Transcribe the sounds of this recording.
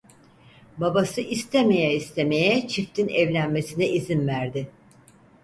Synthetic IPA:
babasɯʔist̪ʰeme̞jɛist̪ʰe̞me̞jɛt͡ʃʰift̪ʰinɛvlʲænme̞sinɛʔizinvæɾd̪ɪ

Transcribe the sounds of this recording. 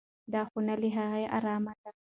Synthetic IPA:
d̪ɑxʊnaliɦaɣeʔa̰ɾɑmat̪̚a

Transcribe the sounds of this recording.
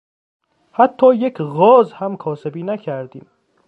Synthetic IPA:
hæt̪ʰːɒːjecʰɣɒːzhæmkʰɒːse̞biːnæcʰæɾd̪iːm

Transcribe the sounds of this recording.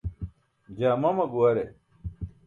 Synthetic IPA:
d͡ʑaːmɐmɐɡuwɐɾe

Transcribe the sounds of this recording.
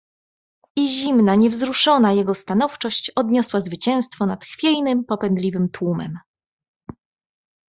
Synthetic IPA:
iʑimnaɲɛvzɾuʂɔnajɛɡɔst̪anɔft͡ʂɔɕt͡ɕɔd̪ɲɔswazvɘt͡ɕɛ̃w̃st̪fɔnat̪xfʲjɛjnɘmpɔpɛnd̪lʲivɘmt̪wumɛ̰m

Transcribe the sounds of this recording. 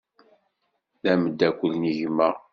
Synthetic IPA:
ðæməd̪ːækʷːəlniʝməʁ

